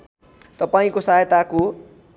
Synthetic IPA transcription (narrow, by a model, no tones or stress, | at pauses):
t̪ʌpaĩkosajet̪ako